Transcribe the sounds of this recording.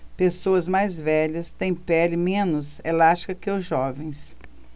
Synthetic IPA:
pesoɐzmajzvɛʎɐst̪ẽj̃pɛlɪmẽnʊselaʃkɐkɪʊzʒɔvẽj̃s

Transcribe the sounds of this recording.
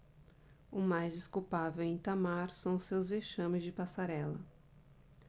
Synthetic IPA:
ʊmajzd͡ʒɪskuwpavewẽt̪amaɾsɐ̃w̃ʊsewzveʃɐ̃mɪzd͡ʒɪpasaɾɛlɐ

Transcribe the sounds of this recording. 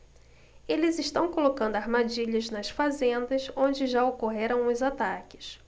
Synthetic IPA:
elɪzɪʃt̪ɐ̃w̃kolokɐ̃nd̪ʊaɾmad͡ʒiʎɐznɐsfazẽnd̪ɐzõd͡ʒɪʒaokoɦeɾɐ̃w̃ʊzat̪akɪ̥s

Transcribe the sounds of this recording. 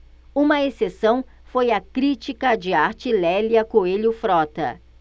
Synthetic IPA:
ũmɐesesɐ̃w̃ | fojɐkɾit͡ʃikɐd͡ʒɪaɾt͡ʃilɛljɐkoeʎʊfɾɔt̪ɐ̰

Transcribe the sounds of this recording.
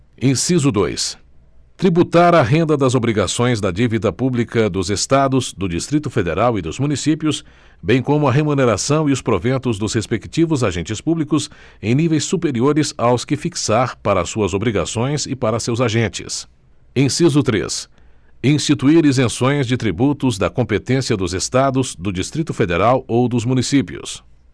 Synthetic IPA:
ẽsizʊd̪o̰js | t̪ɾibut̪aɾɐɦẽnd̪ɐd̪ɐzobɾiɡasõj̃zd̪ɐd͡ʒivid̪ɐpublikɐd̪ʊzest̪ad̪ʊzd̪ʊd͡ʒist̪ɾit̪ʊfed̪ḛɾawɪd̪ʊzmunisipjʊs | bẽj̃kõmʊɐɦemuneɾasɐ̃w̃iʊspɾovẽnt̪ʊzd̪ʊzhespekt͡ʃivʊzaʒẽnt͡ʃɪspublikʊs | ẽj̃nivejsːupeɾioɾɪzawskɪfiksaɾpaɾɐsuɐzobɾiɡa̰sõj̃zɪpaɾɐsewzaʒẽnt͡ʃɪ̰s | ẽj̃sizʊt̪ɾḛs | ĩst͡ʃit̪uiɾizẽsõj̃zd͡ʒɪt̪ɾibut̪ʊzd̪ɐkõmpet̪ẽsiɐd̪ʊzest̪ad̪ʊzd̪ʊd͡ʒist̪ɾit̪ʊfed̪eɾawowd̪ʊzmũnisipiʊ̰s

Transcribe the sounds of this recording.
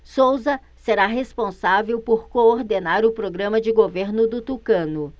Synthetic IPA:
sowzɐ | seɾaɦespõsavewpoɾkooɾd̪enaɾʊpɾoɡɾɐ̃mɐd͡ʒɪɡoveɾnʊd̪ʊt̪ukɐ̃nʊ

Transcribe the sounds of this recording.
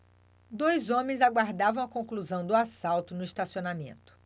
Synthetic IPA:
d̪ojzõmẽj̃zaɡwaɾd̪avɐ̃w̃ɐkõŋkluzɐ̃w̃d̪ʊasawt̪ʊnʊiʃt̪asionamḛ̃nt̪ʊ̥

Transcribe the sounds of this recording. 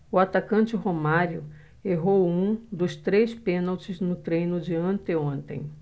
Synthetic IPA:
ʊat̪akɐ̃nt͡ʃɪɦomaɾjʊ | eɦowũd̪ʊst̪ɾejspẽnawt͡ʃɪznʊt̪ɾẽjnʊd͡ʒɪɐ̃nt̪ɪõnt̪ḛ̃j̃

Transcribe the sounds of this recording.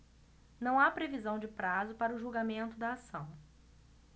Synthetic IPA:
nɐ̃w̃apɾevizɐ̃w̃d͡ʒɪpɾazʊpaɾɐʊʒuwɡamẽnt̪ʊd̪ɐːsɐ̃w̃

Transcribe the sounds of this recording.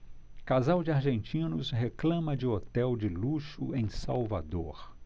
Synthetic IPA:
kazawd͡ʒɪaɾʒẽnt͡ʃĩnʊsɦeklɐ̃mɐd͡ʒɪot̪ɛwd͡ʒɪluʃʊẽj̃sawvad̪oɾ

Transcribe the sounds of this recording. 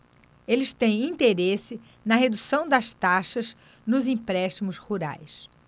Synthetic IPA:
elɪst̪ẽj̃ĩnt̪eɾesɪ | nɐɦed̪usɐ̃w̃d̪ɐst̪aʃɐz | nʊzĩpɾɛʃt̪imʊshuɾa̰js

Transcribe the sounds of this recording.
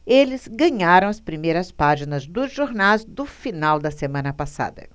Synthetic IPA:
elɪz̥ɡɐ̃ɲaɾɐ̃w̃ɐspɾimejɾɐspaʒinɐzd̪ʊzʒoɾnazd̪ʊfinawd̪ɐsemɐ̃nɐpasa̰d̪ɐ̰

